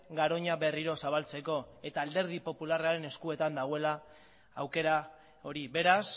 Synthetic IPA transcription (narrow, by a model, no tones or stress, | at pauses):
ɡaɾo̞ɲaβe̞riɾo̞saβ̞alt͡se̞ko̞e̞t̪aːld̪e̞ɾð̞ipo̞pularaɾe̞ne̞skue̞t̪and̪aɣ̞oelaː | wke̞ɾa | o̞ɾiβe̞ɾas